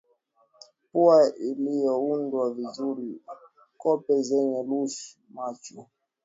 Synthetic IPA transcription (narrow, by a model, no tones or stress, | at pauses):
puailijɔundwavizuɾi | kɔpɛzɛɲɛluʃ | mat͡ʃu